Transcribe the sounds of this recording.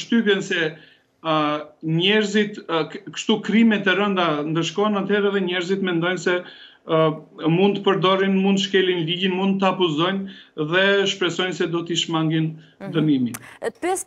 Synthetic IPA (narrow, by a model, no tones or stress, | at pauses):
ʃt̪ypjɛnsɛ | ɲɛɾzit̪kə̥ʃt̪ukɾimɛt̪ɛɾənd̪and̪əɾʃ̬kɔɛnat̪hɛɾɛðɛɲɛɾzit̪mɛnd̪ɔjnsɛ | mund̪t̪pəɾd̪ɔɾinmund̪ʃkɛlinliɟinmund̪t̪ːapɔzɔjnðɛʃpɾɛsɔjnsɛd̪ɔt̪iʃmaŋɡind̪əmimipɛs